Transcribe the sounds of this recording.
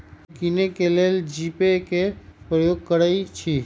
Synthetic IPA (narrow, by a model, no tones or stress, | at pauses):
kinekeleld͡ʒipekepɾəjoɡ̚kəɾət͡ʃʰi